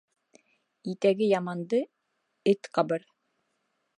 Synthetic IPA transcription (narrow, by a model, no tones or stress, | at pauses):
it̪æɡɘjɑmɑnd̪ɤ | ɘt̪qɑbɤɾ